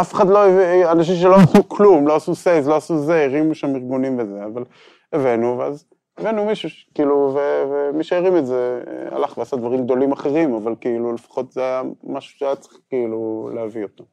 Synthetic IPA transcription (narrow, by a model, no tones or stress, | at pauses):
afeχad̪lo̞evanaʃ̬imʃ̬elo̞asuklumloasusejzlo̞asuzeiʁimuʃamiʁɡunimbezeaval | evenuveaz | evenumiʃuʃkiiluvevemiʃeiʁimezḛa̰laχveaːsad̪vaʁimɡ̚d̪o̞limaχe̞ʁimavalkeilulefḁχo̞t̪zeajamaʃu̥ʃeajat͡si̥χkeilulehaviot̪o